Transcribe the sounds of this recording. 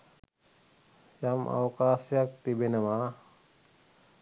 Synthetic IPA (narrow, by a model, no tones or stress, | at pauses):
jɐmʔa̰wkaːsjɐk̚t̪ibenɐma